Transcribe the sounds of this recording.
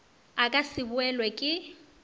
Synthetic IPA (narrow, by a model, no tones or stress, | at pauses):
akʼasɪbʊɛlwɛkʼɪ